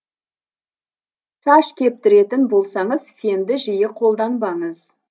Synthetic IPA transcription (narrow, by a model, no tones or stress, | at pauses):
ʃɑʃkʲʰe̞p̚t̪ɪɾe̞t̪ɪnbo̞lˠsɑɴəz̥fʲe̞nd̪ɪʒɪjɪqʰo̞lˠd̪ɑnbɑɴəz